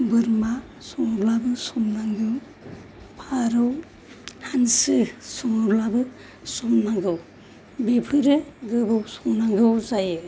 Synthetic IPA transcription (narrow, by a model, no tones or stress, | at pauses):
bɯɾma | sɔŋɾlabɯsɔmnaŋɡɯw | pʰaɾɯw | hansɯsɔŋɾlabɯ | sɔmnaɡɯw | bepʰɯjɾɯɡɯbɯwsɔmnaŋɡɯwzajɯ